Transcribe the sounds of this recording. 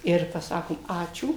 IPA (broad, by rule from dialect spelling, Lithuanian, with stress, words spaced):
ɪr pɐˈsɑːkoːm ˈɑːt͡ʃʲuː